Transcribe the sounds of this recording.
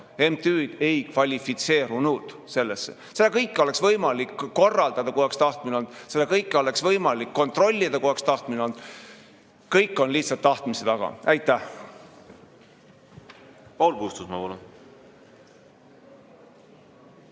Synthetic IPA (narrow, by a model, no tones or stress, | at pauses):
e̞mt̪yːd̪̥e̞jkvɑlʲifit̪se̞ːɾunuːd̪̥ | se̞lːesːḛ | selːekɤjkːeo̞le̞ksvɤjmɑlikːo̞rːɑld̪ɑd̪̥ɑkuhokst̪ɑht̪mineo̞nd̪̥selːekɤjkːeo̞le̞ksvɤjmɑlikːo̞nt̪ro̞lʲːid̪̥ɑkuhɑkst̪ɑht̪mineo̞nd̪̥ | kɤjkːˑo̞nliht̪sɑt̪ːɑht̪miset̪ɑɡ̥ɑ̰æjt̪ːˑæh | pɑwlpuːst̪usmɑpɑlun